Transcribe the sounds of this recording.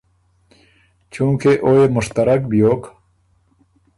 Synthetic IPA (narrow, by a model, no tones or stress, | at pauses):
t͡ɕũːkeʔoemʊʂt̪əɾək̚bijoːk